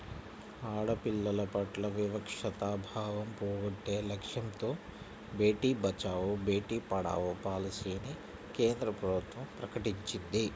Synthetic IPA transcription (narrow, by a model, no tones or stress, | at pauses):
aːɽɐpilːɐlɐpɐʈlɐʋiʋɐkʂɐt̪aːbʱaːʋɐmpoːɡɐʈːeːlɐkʂjɐmt̪oː | be̞ːʈiːbɐt͡ʃaːʋubeːʈiːpɐɽa̰ːʋupaːlɐsiːni | keːnd̪ɾɐpɾɐbʱut̪ʋɐmpɾɐkɐʈiɲt͡ʃind̪i